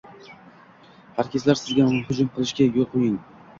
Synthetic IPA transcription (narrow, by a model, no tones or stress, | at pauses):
pʰaɾkʲezlaɾsɪzɡʲamʊmʊhʊd͡ʒʊmqʰɨlˠɪʃkʲajʲolqʰojɪŋ